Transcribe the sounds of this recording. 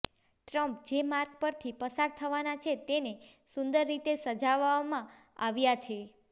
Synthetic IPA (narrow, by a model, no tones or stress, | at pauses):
ʈɾəmpd͡ʒemaɾk̚pəɾt̪ʰipəsaɾt̪ʰəʋanat͡ʃʰet̪enesund̪əɾːit̪esəd͡ʒaʋamã | aʋjat͡ʃʰe